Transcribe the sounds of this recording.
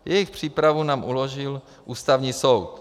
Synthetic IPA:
jɛjɪxpr̝̥iːpɾavunaːmʔuloʒɪl | ʔuːst̪avɲiːsowt̪

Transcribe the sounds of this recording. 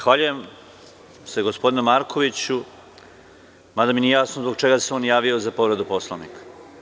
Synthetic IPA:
xʋaːʎuje̞m | seɡo̞spo̞d̪inumaɾkʰo̞ʋit͡ɕu | mad̪aminijaːsnozbo̥t͡ʃe̞ɡaseoːnjaːʋiozapo̞ʋɾed̪upo̞slˠaʋnḭkḁ

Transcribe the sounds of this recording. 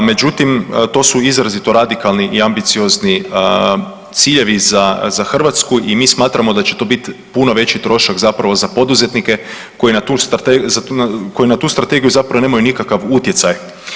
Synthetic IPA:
me̞d͡ʒut̪imt̪o̞ːsuizɾazit̪o̞ɾad̪ikalniʔiambit̪sio̞zni | t̪siːʎe̞ʋizazaxr̩ʋat̪skuʔimiːsmaːt̪ɾamo̞d̪at͡ʃe̞t̪o̞bit̪ipuno̞ʋe̞t͡ʃit̪ɾo̞ʃakzapɾaʋo̞zapo̞d̪uze̞t̪nike̞ | ko̞jinat̪uːst̪at̪ezatnko̞jinat̪uːst̪ɾat̪e̞ɡijuzapɾaʋone̞ːmajunikakaʋut̪je̞t̪saj

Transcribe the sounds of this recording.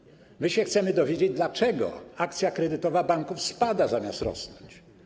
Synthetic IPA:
mɘɕɛxt̪sɛmɘd̪ɔvʲjed͡ʑed͡ʑd̪lat͡ʂɛɡɔ̰akt̪sʲjakɾɛd̪ɘt̪ɔvabaŋkufspad̪azamʲjast̪ɾɔ̰snɔɲt͡ɕ

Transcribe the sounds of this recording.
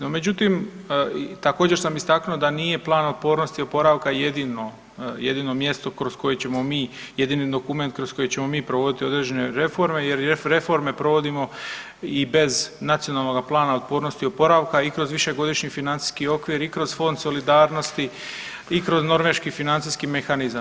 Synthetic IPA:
nome̞d͡ʑut̪im | t̪ako̞ːd͡ʑe̞ɾsamist̪aknuod̪aniːje̞plˠaːno̞t̪̚po̞ːɾno̞st̪io̞po̞ɾaʋkaje̞d̪ino | je̞d̪iːno̞mje̞st̪o̞kɾosko̞je̞t͡ɕe̞mo̞miː | jed̪iːnid̪o̞kume̞nt̪̚kɾo̞sko̞jet͡ɕe̞mo̞miːpɾoʋo̞d̪it̪io̞d̪ɾed͡ʑe̞ne̞ɾe̞fo̞ɾme̞je̞ɾeɾe̞fo̞ɾme̞pɾo̞ʋo̞d̪imo̞ | ibe̞znat̪sio̞naːlˠno̞ɡaplˠaːnao̞t̪̚po̞ːɾno̞st̪io̞po̞ɾaʋkaikɾo̞zʋiʃe̞ɡo̞d̪iʃɲifinant̪i̥ːskio̞kʋiɾikɾo̞zfo̞nd̪so̞lid̪aːɾno̞st̪i | ikɾo̞zno̞ɾʋe̞ʃkifinant̪siskime̞xanizam

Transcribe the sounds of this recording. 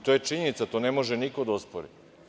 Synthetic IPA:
t̪ojet͡ʃiɲe̞nit̪sat̪onemo̞ʒenikod̪aospoɾḭ

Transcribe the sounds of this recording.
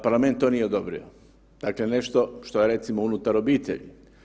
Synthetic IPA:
paɾlˠament̪t̪ːoːnijeod̪obɾḭo | d̪̥aklene̞ʃt̪o̞ʃt̪ojeɾe̞t̪simounut̪aɾobiːt̪ḛʎḭ

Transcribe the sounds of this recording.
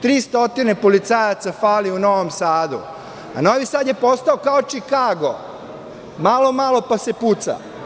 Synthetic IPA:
t̪ɾiːst̪o̞t̪inepolit̪sajat̪safaːliuno̞ʋomsaːd̪ṵ | a̰no̞ʋisad̪je̞po̞st̪aokaot͡ʃikaːɡo̞ | malo̞malo̞pase̞put̪sa̰

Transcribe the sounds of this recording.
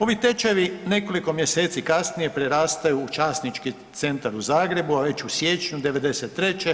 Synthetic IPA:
o̞ʋit̪e̞t͡ʃeʋine̞ko̞liko̞mje̞seːt̪sikasnije̞pɾeɾaːst̪ajuːt͡ʃaːsnit͡ʃki | t̪se̞nt̪aɾuzaːɡɾe̞buaʋe̞t͡ɕusje̞t͡ʃɲud̪e̞ʋe̞d̪e̞set̪ːɾe̞t͡ʃe

